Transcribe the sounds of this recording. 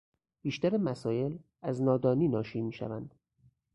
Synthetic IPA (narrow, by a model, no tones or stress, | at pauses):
b̥iːʃt̪æɾemæsɒːje̞l | æznɒːd̪ɒːniːnɒːʃiːmiːʃæ̰vænd̪̥